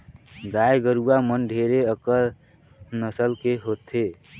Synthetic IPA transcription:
ɡajɡəɾuamənɖʱeɾeəkəɾ | nəsəlkeɦot̪e

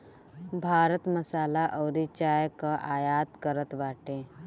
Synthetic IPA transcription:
bʱaːɾət̪məsaːlaʔɔːɾit͡ʃaːjkaʔaːjaːt̪kəɾət̪baːʈẽː

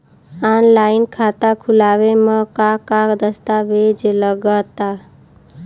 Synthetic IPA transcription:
anlaɪnkʰat̪akʰulaːʋeməkakakd̪əst̪aʋed͡ʒləɡat̪a

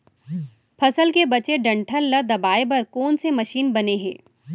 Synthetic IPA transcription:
pʰɐsəlkebɐt͡ʃeɖɐ̃ɳʈʰəlːɐd̪ɐbaːebɐɾkɔːnsemɐʃiːnbɐneɦɛ̰̃ː

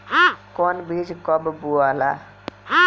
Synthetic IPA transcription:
kɔnbid͡ʒkɔbbuala

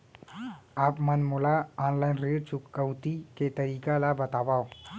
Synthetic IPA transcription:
aːpmənmʊlaɔːnlaːɪnɾet͡ʃʊkːəwt̪iket̪ɐɾiːkalabɐt̪aːʋaːo

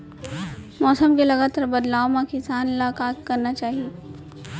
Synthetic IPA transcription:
mɔːsəmkelɐɡaːt̪aɾbɐd̪laːomãkɪsaːnlaːkaːt̪̚kɐɾnat͡ʃaːɦie

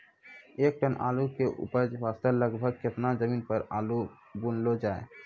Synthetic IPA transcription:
ek̚ʈanʔa̰lukeʔṵpajd͡ʒbast̪aɾləɡbʱəɡ̚kʰet̪nazəminpəɾalu | bunlod͡ʑae

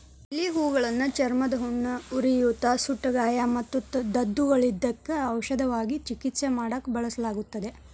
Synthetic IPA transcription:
ilːiɦuːɡɐɭɐnːut͡ʃɐɾmɐd̪ɐɦuɳːɐuɾijut̪ːasuʈːɐɡaːjamɐt̪ːut̪ɐd̪ɐd̪ːuɡɐɭid̪ːɐkːeɐwʃɐd̪ɐʋaːɡit͡ʃikit̪semaːɽɐkːbɐɭɐsɐlaːɡut̪ːɐd̪e̞

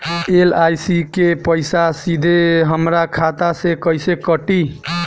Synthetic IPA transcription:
elajsikepəjsasid̪ʱeɦəmɾakʰat̪asekəjsekəʈi

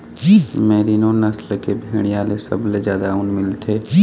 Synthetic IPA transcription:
mɛːɾinonɐslkebʱeːɽ̃ijaːlesɐ̰bled͡ʒjaːd̪aʊnmɪlt̪ʰeː

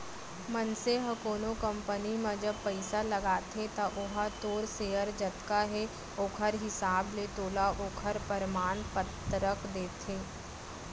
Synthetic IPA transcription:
mənseɦɐ̃koːnokə̃mpənimãd͡ʒəb̚pəɪsalɐɡaːt̪ʰet̪aʔʊɦat̪oːɾseːəɾd͡ʒɐt̪kaɦɛ | oːkʰəɾɦɪsaːblet̪oːlaʔoːkʰəɾpəɾmaːnpət̪ɾəkd̪eːt̪ʰeː

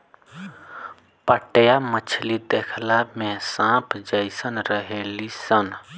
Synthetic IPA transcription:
pəʈjamət͡ʃʰlid̪ekʰlamẽsãpʰd͡ʒəjsənɾəɦelisən

